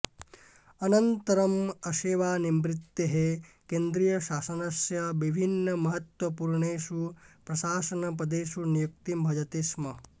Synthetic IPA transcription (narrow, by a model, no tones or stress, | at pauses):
ɐnɐnt̪ɐɾɐmɐʃeːʋaːnimɾit̪ːeɦekeːnd̪ɾijɐʃaːsɐnɐsjɐʋibʱinːɐmɐɦɐt̪wɐpuːɾɳeːʃupɾɐʃaːsɐnɐpɐd̪eːʃunijuk̚t̪imbʱɐd͡ʒɐt̪ismɐ